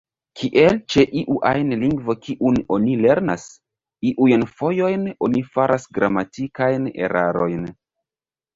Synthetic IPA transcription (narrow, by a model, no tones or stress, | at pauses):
kʰiʔe̞lt͡ʃe̞ʔiʔuʔajnliŋɡvo̞kiʔuno̞nile̞ɾna̰s | iʔujnfo̞jo̞jno̞nifaɾʔasɡɾamatikajne̞̰ɾaɾo̞jn